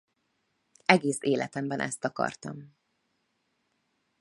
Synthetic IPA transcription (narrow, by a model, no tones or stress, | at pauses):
ɛɡeːseːlʔɛt̪ɛmbɛnʔɛ̰st̪ɒkɒ̰rt̪ɒm